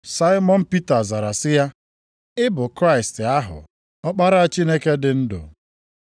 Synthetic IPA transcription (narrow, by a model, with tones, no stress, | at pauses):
sa˦ɪ˦mɔ˦n̩˦pi˦ta˨za˨ɾa˨sɪ˦ja˦ | ɪ˦bʊ˨kɾa˦˨ɪ˨stɪ˨a˦ɦʊ̰˨ | ɔ˦k͡pa˦ɾa˦a˨t͡ʃi˦ne˦ke˦dɪ˨n̩˦dʊ̰˨